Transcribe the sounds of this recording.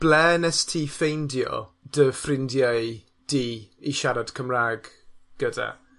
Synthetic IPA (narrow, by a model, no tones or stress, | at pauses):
b̥lɛːnɛstʰiːfejndjɔ̰d̥əfrɪndjaj | d̥iːiʃaɾad̥kʰəmraːɡ | ɡ̥əda̰